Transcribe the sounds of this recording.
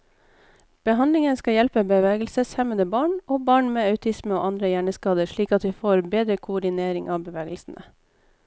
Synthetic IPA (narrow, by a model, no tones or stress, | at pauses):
b̥əɦɑnd̪lɪŋənskɑjɛlpəbəʋeːɡəl̩səshɛmənd̪əbɑːɳoːbɑːɳmeːɑʉt̪ʰɪsməo̰ːʔɑnd̪ɾəjæːɳəskɑːd̪əʂɭiːkɑt̪ʋiːfoːɾbeːd̪ɾəkʰʊʊɖɪneːɾɪŋʔɑːbəʋeːɡəlsn̩ʔə̰